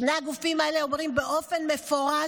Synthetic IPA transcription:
neaɡufimaeleo̞mʁimbe̞ʔo̞fe̞nme̞foʁa

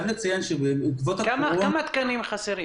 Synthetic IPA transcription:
vlet͡sajanʃebeukvot̪akamakamat̪kanimχaseɾi

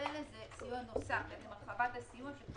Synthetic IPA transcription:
elezenosafbemmaʁχavat̪asijumaʃe

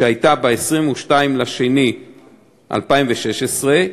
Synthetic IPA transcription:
eajtabeesʁimuʃtaimlaʃeni | ʔa̰lpaimveʃeʃesʁe

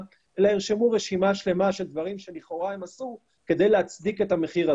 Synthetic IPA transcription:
laeʁʃemuʁeʃimaʃle̞maʃe̞ld̪vaʁimʃe̞liχo̞ʁae̞masu | ke̞d̪e̞jleat͡sd̪iket̪hame̞χiʁa

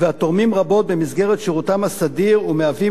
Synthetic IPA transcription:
veat̪oʁmimʁabo̞t̪̚be̞misɡeʁet̪ʃiʁut̪amhasad̪iʁumeavi

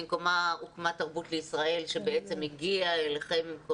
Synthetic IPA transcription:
imko̞maukmat̪ːaʁbutleisʁae̞lʃebeet͡se̞miɡiaelaχe̞mko

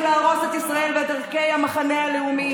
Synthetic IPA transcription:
laːʁo̞se̞t̪isʁae̞lvet̪aʁke̞jamaχanealeumi

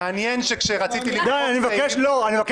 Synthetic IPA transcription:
anjenʃekʃeʁat͡sit̪ilid̪ajanimevakeʃloanimevak

